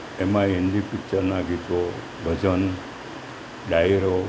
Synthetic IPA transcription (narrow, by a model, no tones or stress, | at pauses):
emãɦend̪ipɪkt͡ʃəɾnaɡit̪o | bʱəd͡ʒən | ɖaiɾo